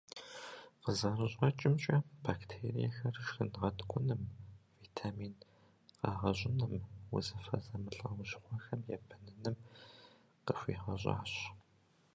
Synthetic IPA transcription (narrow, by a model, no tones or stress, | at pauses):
qəzarɨɕʼɐt͡ʃʼɪmt͡ʃʼɐb̥aːktʰeːrḭjɛxɐrʃxɨnʁɐdkʷʼʊnɨmviːtʰaːmiːn | qɑːʁɐɕʼɪnɨmwʊ̰zɐfɐ̰zɐmɨɬʼɐwʊɕʼχʷɔxɐmjɛ̰bʰɐnɨnɨm | qəɕʷḭːʁɐɕʷʼa̰ːɕ